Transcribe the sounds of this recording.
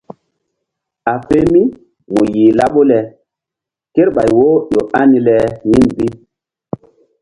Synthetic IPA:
a˨fe˦mi˦ | mo˨ji˨la˦ɓo˦lɛ˨ | ke˦ɾɓa˨jwo˦ɗo˨a˦ni˨lɛ˨ji˦nbi˦

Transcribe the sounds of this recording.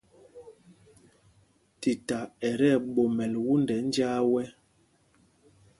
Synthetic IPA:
ti˨ta˨ɛ˨ɾɛ˦˨ɓo˨mɛ˨lwu˦ndɛ˨˦n˦d͡ʒaː˦wɛ˦

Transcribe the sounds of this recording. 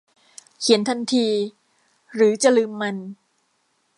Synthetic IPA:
kʰi˩˦ənt̪ʰa˧nt̪ʰiː˧ | ɾɯː˩˦t͡ɕa˨˩lɯː˧mːa˧n

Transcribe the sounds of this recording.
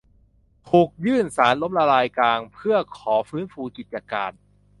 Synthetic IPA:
t̪ʰuː˨˩k̚jɯː˥˩nsaː˩˦nlo˦˥mɾa˧laː˧jklaː˧ŋpʰɯ˥˩ɐkʰɔː˩˦fɯː˦˥nfuː˧ki˨˩t̪̚t͡ɕa˧kaː˧n

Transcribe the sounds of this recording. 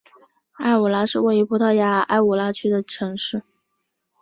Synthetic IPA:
a˥˩ɪu˨˩la˧˥ʂɻ̩˥˧we˥˩ɪi˧˥pʰu˧˥t̪ʰa˥˩ja˧˥a̰˥˩ɪu˨˩la˧˥t͡ɕʰy˥d̪ə˨ʈ͡ʂʰɤ˧˥ŋʂɻ̩˥˩

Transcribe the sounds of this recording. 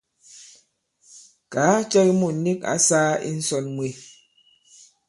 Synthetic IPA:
ka˨˦t͡ʃɛ˦ki˦mu˨n̩˨˦ni˦ka̰˦saː˦ḭ˦n̩˦sɔ˨nmwe˨

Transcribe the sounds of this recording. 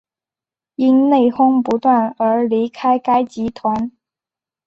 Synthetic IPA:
i˥nne˥˩ɪxʊ˥ŋpu˧˥t̪wa˥˩nə˞˧˥li˧˥kʰa˥ɪka˥ɪt͡ɕi˧˥t̪ʰwa˧˥n

